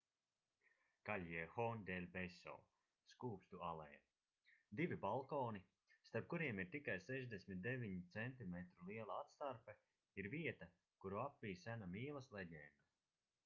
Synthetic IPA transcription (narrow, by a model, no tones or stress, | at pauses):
kaʎʲjixɔːnd̪ɛlʲbɛsɔ̰ː | skuːpst̪ualˠɛja | d̪ivʲibalˠkɔːni | st̪aɾp̚kuɾiɛmiɾt̪ikajsɛʒd̪esmʲit̪̚d̪evʲiɲit̪sɛnt̪imɛt̪ɾulˠiɛlˠaat̪st̪aɾpɛ | iɾviɛt̪a | kuɾuapvʲiːsænamiːlˠɐslˠɛdʲɛːnd̪a